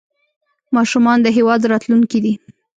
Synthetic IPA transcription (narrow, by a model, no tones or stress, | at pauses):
mɑʃumɑnd̪əɦewɑd̪ɾɑt̪luŋkid̪i